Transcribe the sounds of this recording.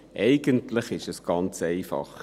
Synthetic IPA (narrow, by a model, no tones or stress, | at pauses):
ʔɛɪɡəntʰləχɪʃɛsɡ̥ɑnt͡sɛɪfɑ̰χ